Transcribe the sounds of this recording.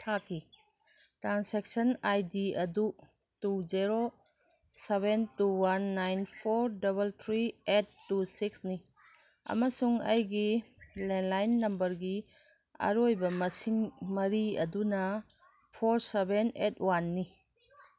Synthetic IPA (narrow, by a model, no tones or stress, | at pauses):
tʰakʰi | tɾansek̚sɐnajdiɐdu | tuzeɾo | seβentuwanːajnpʰoɾdɐβɐltʰɾietːusiksni | ɐ̰mɐsuŋɐjɡilenlajnːɐmbɐɾɡi | ɐ̰ɾojbɐmɐsiŋmɐɾiɐ̰dunɐ | pʰoɾsebenetʰwanːi